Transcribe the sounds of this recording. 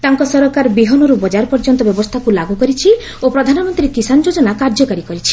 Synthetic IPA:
t̪aŋkɔsɔɾɔkaɾbiɦɔnɔɾubɔd͡ʒaɾpɔɾd͡ʒɔnt̪ɔbjɔbɔst̪ʰakulaɡukɔɾit͡ʃʰi | opɾɔd̪ʱanɔmɔnt̪ɾiekisand͡ʒod͡ʒɔnakaɾd͡ʒɔkaɾikɔɾit͡ʃʰi̥

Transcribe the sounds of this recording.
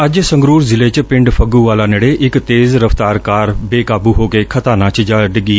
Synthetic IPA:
ɐʄsɐ̃ŋɡɾuːɾzɪlet͡ɕpɪ̃ɳɖfʰɐɡuʋaːlaːneɽeʔɪkt̪eːzɾɐft̪aːɾkaːɾbeːkaːbuɦoːkeːkʰɐt̪aːnaːt͡ʃʰɪd͡ʒaːɖɪɡiː

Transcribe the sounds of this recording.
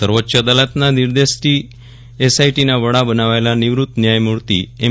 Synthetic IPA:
səɾʋot̪ːɕad̪alat̪naniɾd̪esʈi | esajʈinaʋəɽabənaʋajlaniʋɾut̪ːnjajmuɭt̪ḭːe

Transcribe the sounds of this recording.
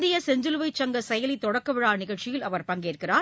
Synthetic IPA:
d̪ɪjɐsɛɲd͡ʒɯlʋɐɪt͡ʃːɐŋɡɐsɛjɐlɪt̪ːɔɽɐkːɐʋɪɻaːnɪɣɐɭt͡ʃɪjɪlɐʋɐɾpɐŋɡeːrkɪraː

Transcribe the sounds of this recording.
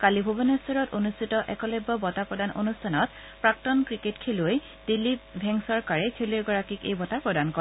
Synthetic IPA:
kalibʱobɔnɔstɔɹɔtonustʰitɔʔɛkɔlɔjbːɔbɔtapɹɔdanʔo̰nustʰanɔt̚ | pɹaktɔnkɹiketkʰeluj | d̥ilːipbʱɛŋsɔɹkaɹɛkʰeliɡɔɹakikḛjbɔtapɹɔdankɔ

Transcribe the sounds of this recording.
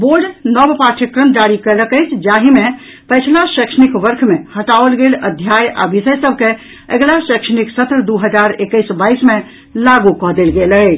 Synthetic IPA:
boɾɖnəbpaʈʰikɾəmd͡ʒaɾikələkəjt͡ʃʰd͡ʒaɦime | pəjt͡ʃʰlasəkʃənikʋəɾkʰmehəʈaəlɡeləd̪ʱjaja̰bisəjsəbʱke | ə̰ɡlasəkʃəniksət̪ɾəd̪uɦəd͡ʒaɾekːəjsbaisme | laɡukɔɦd̪elɡeləjt͡ʃʰ

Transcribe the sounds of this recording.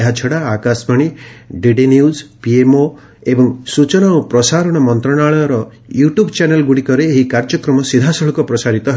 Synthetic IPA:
eɦat͡ʃʰɔɽaːkasmaɽ̃iɖiɖinjuzpiemo | ebɔŋsut͡ʃɔnaupɾɔsaɾɔɽ̃ɔmɔnt̪ɾɔɽaɭɔjɔɾɔ | juʈjubt͡ʃanelɡuɽikɔɾeːɦikaɾd͡ʒɔkɾɔmɔsid̪ʱasɔɭɔkɔpɾɔsaɾit̪ɔɦ

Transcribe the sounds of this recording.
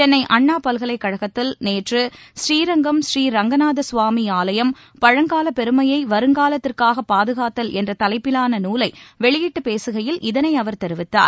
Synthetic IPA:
ɛnːɐɪʔɐɳːaːpɐlɣɐɭɐɪkːɐɻɐɣɐt̪ːɪlneːʈrɯsɾiːɾɐŋɡɐmʃriːɾɐŋɡɐnaːðɐsʋaːmiaːlɐjɐm | pɐɻɐŋɡaːlɐpɛɾɯmɐjɐɪʋɐɾɯŋɡaːlɐt̪ːɪrkaːɣɐpːaːðɯɣaːt̪ːɐlɛndrɐt̪ɐlɐɪpːɪlaːnɐnuːlɐɪʋɛɭɪjɪʈːɯpeːsɯɣɐjɪlʔɪðɐnɐɪɐʋɐɾt̪ɛɾɯʋɪt̪ːa̰ːɾ

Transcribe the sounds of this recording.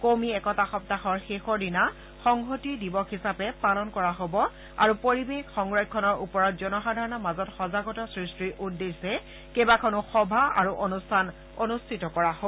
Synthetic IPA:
komiɛkɔtaxɔp̚taxɔɹxexɔɹdina | xɔŋɦotidibɔxisapɛpalɔnkɔɹaɦobɔ | a̰ɹupoɹibexxɔŋɹaj̚kʰɔnɔɹupɔɹɔt̚zɔnɔxadʱaɹɔnɔmazɔtxɔzaɡɔtɔsɹistɹiɹʔudːesɛ | kebakʰɔnʊxɔbʱaa̰ɹuʔonustʰan | onustʰitɔkɔɹaɦo

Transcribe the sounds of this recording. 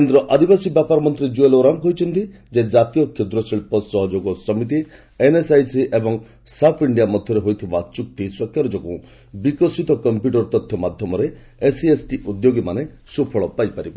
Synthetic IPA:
kend̪ɾɔʔad̪ibasibjapaɾɔmɔnt̪ɾid͡ʒueloɾaŋɡɦojt͡ʃʰɔnt̪i | d͡ʒed͡ʒat̪ijɔkʰːed̪ɾɔsiɭpɔsɔɦɔd͡ʒoɡɔsɔmit̪̬i | enesajsiʔebɔŋ | sapʰiɳɖijamɔd̪ʱjɔɾeɦojt̪ʰibat͡ʃuk̚t̪ʰiswɔkʰjaɾɔd͡ʒɔkũ | bikɔsit̪ɔkɔmpjuʈɔɾt̪ɔt̪ʰːjɔmad̪ʱjɔmɔɾe | esiesʈiʔud̪joɡimane | supʰɔɭɔpajpaɾib

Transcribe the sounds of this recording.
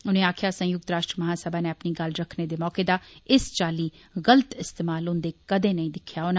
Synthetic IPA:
ʊnẽːaːkʰjaːsə̃jʊk̚t̪ɾaːʃʈɾəmɐɦaːsəbaːneːɐpniːɡɐlɾəkʰneːd̪eːmɔːkeːd̪aːɪst͡ʃaːliː | ɣələt̪ɪst̪eːmaːlʊ̃nd̪eːkɐd̪ẽːnɐĩːd̪ɪkʰjaːʊn

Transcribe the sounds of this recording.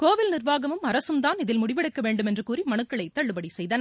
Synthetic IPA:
koːʋɪlnɪrʋaːɣɐmɯmɐɾɐsɯmt̪aːnɪðɪlmʊɽɪʋɪɽɐkːɐʋeːɳɖɯmɛndrɯkuːrimɐɳɯkːɐɭɐɪt̪ːɐɭːɯpɐɽisɛjðɐnɐ

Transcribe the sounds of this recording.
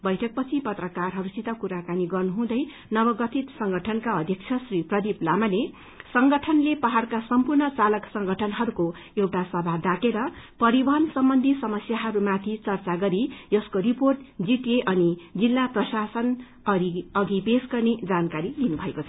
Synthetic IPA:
bʌjʈʰʌk̚pʌt͡sʰipʌt̪rʌkarɦʌɾusit̪ʌkuɾakaniɡʌrnuɦũd̪ʌj | nʌbʌɡʌt̪ʰit̪sʌŋɡʌʈʰʌnkaʌd̪ʱjʌk̚t͡sʰʌsriprʌd̪iplamale | sʌŋɡʌʈʰʌnlepʌɦarkasʌmpurnʌt͡salʌksʌŋɡʱʌʈʰʌnɦʌɾuko | ewʈasʌbʱad̪akeɾʌpʌɾibʌnsʌmbʌnd̪ʱisʌmʌsjaɦʌɾumat̪ʰit͡sʌrt͡saɡʌɾijʌskoɾiporʈd͡ziʈjeʔʌnid͡zilːaprʌsasʌn | ʌɾiʌɡibesɡʌrned͡zankaɾid̪inubʱʌekot͡sʰʌ

